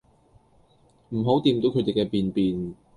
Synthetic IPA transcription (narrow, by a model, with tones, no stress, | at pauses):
m̩˨˩ɦo˨˥wt̪iː˧mt̪o˨˥kʰɵ˨˧t̪e˨˩kɛː˧piː˨npiː˨n